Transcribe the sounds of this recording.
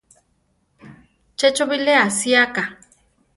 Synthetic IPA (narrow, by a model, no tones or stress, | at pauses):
t͡ʃɛt͡ʃobileasiaka